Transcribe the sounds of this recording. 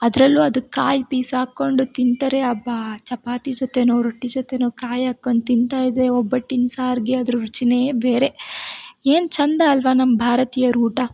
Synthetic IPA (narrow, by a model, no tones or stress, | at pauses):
ɐd̪ɐɾɐlːuɐd̪ukaːjpiːsaːkːo̞ɳɖut̪int̪ɐɾeɐbat͡ʃɐpaːt̪id͡ʒot̪enoːɾoʈːid͡ʒot̪enoːkaːjaːkːoɳɖut̪int̪aːjid̪eɔbːɐʈːinsaːɾɡeɐd̪ɐɾuɾut͡ʃinebeːɾe̞ | eːnt͡ʃɐnd̪ɐːlʋɐnɐmːɐbʱaːɾɐt̪iːjɐɾuːʈɐ